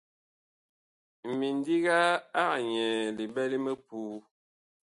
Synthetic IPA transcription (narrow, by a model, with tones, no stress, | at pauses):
mi˨n˦di˦ɣa˦a˦˨ɲɛ˨li˨bɛ˦li˦mə˦puː˦